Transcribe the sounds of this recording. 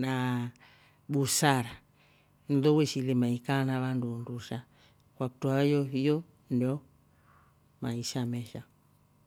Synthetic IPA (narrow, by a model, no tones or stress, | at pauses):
na | ɓusaɾa | nðɔwɛʃilɛmaikanaβandunduʃa | kwakutuajɔɦijɔ | ndiɔ | maiʃamɛʃa